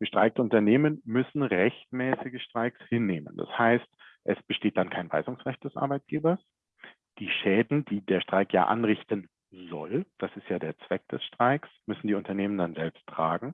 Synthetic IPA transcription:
ɡ̥əʃtʁ̥aɪk̚təʊntɐneːmənmʏsn̩ʁɛçtmɛːsɪɡəʃtʁ̥aɪkshɪnːeːmə̰nd̥a̰shaɪstʔɛsb̥əʃteːt̚d̥ankʰaɪnva̰ɪzʊŋsʁɛçt̚d̥ɛsʔa̰ɐbaɪt̚ɡ̥eːbɐs | d̥iːʃɛːdn̩diːdeːɐʃtʁ̥aɪkja̰ːʔa̰nʁɪçtən | zɔ̰ld̥asɪstjaːdeːɐt͡sv̥ɛk̚d̥ɛsʃtʁ̥aɪksmʏsn̩diːʊntɐneːməndanzɛlpstːʁ̥a̰ːɡŋ̩

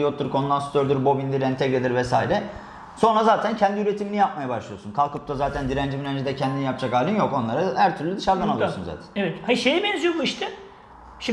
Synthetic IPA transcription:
jot̪ʰːuɾkʰo̞nd̪anst̪ʰøɾd̪yɾbo̞bind̪iɾɛnt̪ʰɛkʲed̪ʲiɾvɛsa̰ːiɾɛ | so̞nɾazaːt̪ʰæncʰɛnd̪iyɾe̞t̪ʰiminijap̚majabaʃlˠɯjosunkʰalˠkʰɯp̚t̪ʰazaːt̪ʰænd̪iɾænd͡ʒibyɾænd͡ʒid̪ɛcʰɛnd̪inijapd͡ʒakaːlʲimjo̞ko̞nlˠaɾahæɾt̪ʰyɾlʲyid̪ɯʃaɾd̪analˠɯosunza̰ːt̪ʰænevɛt̪haiʃejɛbɛnzyjobuiʃt̪ʰɪ | ʃi

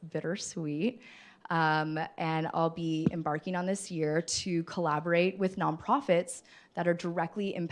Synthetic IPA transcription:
b̥ɪɾə˞swit̚ | ʔʌ̃mʔɨ̃na̰ɪlˠbiɨ̰̃mbɑɹkɪ̃ŋə̃nðɪsjɪɹɾɨkʰəlæbə˞eɪt̚wɨðnɑ̃npʰɹ̥ɑfɨts | ðɨɾə˞də˞ɛk̚tˡliʔɨ̰̃mpʰ

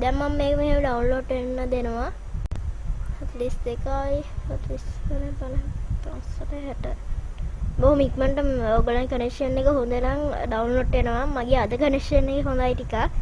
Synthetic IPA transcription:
d̪ɛmːamːeːkəməɦemɖawnloːɖʋenːəd̪enəʋa | ətliːstekajət̪liskənəpənət̪ɾanspəʈeɦaʈə | boɦumikməɳʈəmobəlankənekʂənːekəɦond̪ənaŋɖawnloːɖʋenəʋamaɡead̪əkənekʂənːekeɦõnd̪ajʈika

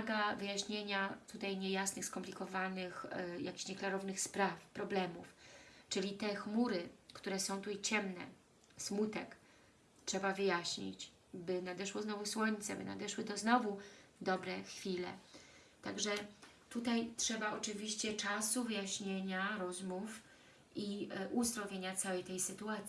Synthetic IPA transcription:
ɡavɘjaɕɲeɲat̪ut̪ajɲɛjasnɘxskɔmplʲikɔvanɘxja̰kʲi̥ɕɲɛklaɾɔvnɘxspɾafpɾɔblɛmuft͡ʂɘlʲit̪ɛxmuɾɘkt̪uɾɛsɔ̃w̃t̪uit͡ɕɛmnɛ̰ | smut̪ɛk | tʂɛbavɘjaɕɲḭt͡ɕ | bɘnad̪ɛʂwɔznɔvuswɔɲt̪sɛbɘna̰d̪ɛʂwɘt̪ɔznɔvu | d̪ɔbɾɛxfʲilɛ̰ | t̪aɡʐɛt̪ut̪ajtʂɛbaɔt͡ʂɘvʲiɕt͡ɕɛt͡ʂasuvɘjaɕɲeɲaɾɔzmuf | iʔuzd̪ɾɔvʲjeɲat̪sawɛjt̪ɛjsɘt̪uat̪sʲi

